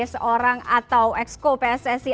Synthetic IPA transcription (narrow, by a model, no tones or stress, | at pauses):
soɾaŋat̪awʔɛkskopeɛsɛsi